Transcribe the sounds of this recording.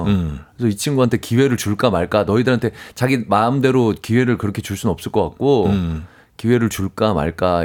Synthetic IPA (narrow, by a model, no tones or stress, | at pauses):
kesʰʌit͡ɕʰinɡuɦantʰe̞kiwe̞ɾɯɭt͡ɕuɭk͈amaɭk͈anʌidɯɾɦantʰe̞t͡ɕaɡimamde̞ɾokiwe̞ɾɯɭkɯɾʌkʰe̞t͡ɕuɭs͈unʌps͈ɯɭk͈ʌk͈ak̚k͈o | kiwe̞ɾɯɭt͡ɕuɭk͈ama̰ɭk͈a